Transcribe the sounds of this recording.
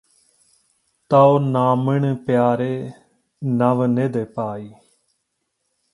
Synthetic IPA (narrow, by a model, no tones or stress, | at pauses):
t̪aːoːnaːmɪɳpjaːɾeː | nəʋneːd̪eːpaːiː